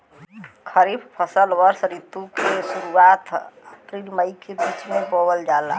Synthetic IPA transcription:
kʰəɾibpʰəsəlʋəɾsɾit̪ukesuɾuat̪kɾilməjkebit͡ʃmekobəld͡ʒala̰

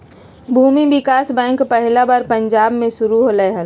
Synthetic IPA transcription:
bʱuːmibɪkaːsbɛ̃ːŋkpɛɦlabaɾpɐ̃ɲd͡ʒaːbmẽʃʊɾuɦolɛɦə

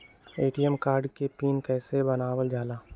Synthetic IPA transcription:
eːʈijəmkaːɾɖkepiːnkɛːsebɐnaːwəld͡ʒaːlaː

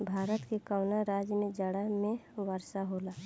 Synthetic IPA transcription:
bʱaːɾət̪kekəʊnaɾaːd͡ʒjəmẽd͡ʒəɽamẽwəɾʃaɦola

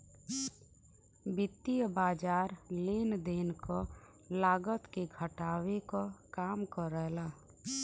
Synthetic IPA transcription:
bɪt̪ːibaːd͡ʒaːɾleːnd̪eːnko | laːɡət̪keɡʱəʈaːwekokaːmkɔɾɛɦlaː

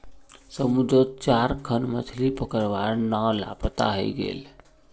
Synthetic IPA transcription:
səmud̪ʱət̪t͡ʃaɾkʰənmət̪ʰlipəkəɾʋaɾnawla̰pt̪a̰ɦə̰jɡḛl

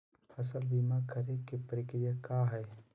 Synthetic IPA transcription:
pʰɐsəlbiːmakəɾekepəɾɪkɾɪjakaːɦɛː

